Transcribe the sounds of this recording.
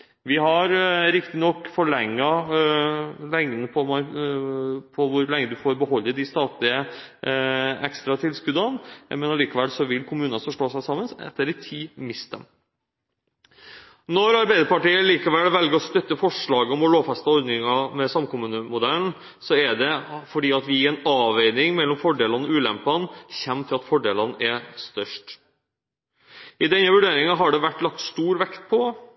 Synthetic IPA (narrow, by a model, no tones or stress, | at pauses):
ʋɪɦɑɾɾɪkt̪ɪnɔkːfɔɭɛŋːɑ | lɛŋd̪n̩pʰɔmɑ | pʰɔʋʊɾlɛŋːəd̪ʉfoːɾbəɦɔlːəd̪ɪst̪ɑːt̪lɪə | ɛkst̪ɾɑt̪ʰɪlskʉd̪ɑnmɛnɑliːkɑʋɛlsɔʋɪlkʰʊmʉːnɑnsɔʂʈoːsæɪsɑmːənsɛ̰t̪ːəɾɪt̪ʰiːmɪst̪ɛm | nɔɾɑɾbæɪd̪əpɑʈiːəliːkɑʋɛlʋɛlɡəɾɔst̪œt̪ːəfɔʂɭɑːɡəɔmɔloːfæst̪əɔɾd̪nɪŋɑmɛsɑmkʊmʉːnəmʊd̪æln̩ | sɔɛɖɛfɔɖiːɑt̪ʋɪɛɪnɑːʋeɪnɪŋmɛlːɔmfɔɖeːlɑnɔʉːlɛ̰mpɑnçɛmːt̪ʰɪlɑt̪fɔɖeːlɑnʔɛst̪œʂʈ | ɪd̪ɛnːəʋʉɖeːɾɪŋɑɦɑɖɛʋæʈːlɑk̚t̪st̪uːɾʋɛkt̪pʰɔ